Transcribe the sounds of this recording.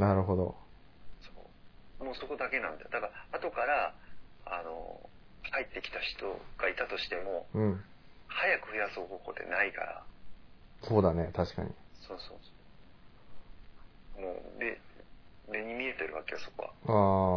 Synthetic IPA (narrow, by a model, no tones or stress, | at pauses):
naɾɯ̟ɦo̞d̪o̞̰ | so̰ːmoːso̞ko̞d̪ake̞nãnd̪a̰d̪akaɾaːt̪o̞kaɾa | ano̞̰ | kait̪ːe̞kʲi̥t̪açi̥t̪o̞̰ɡ̥ait̪at̪o̞ɕi̥t̪e̞mo̞ɯ̟̃ɴhajakɯ̟ɸɯ̟jasoːhoːho̞ːd̪e̞̰naika̰ɾa̰ | so̞ːd̪ane̞t̪aɕi̥ka̰ɲ̟ḭso̞ːso̞̰ːsoː | mo̰ːde̞ | ɾe̞ɲ̟imʲie̞t̪e̞ɾɯ̟βa̰ke̞jaso̞̥ko̞̰βa̰aː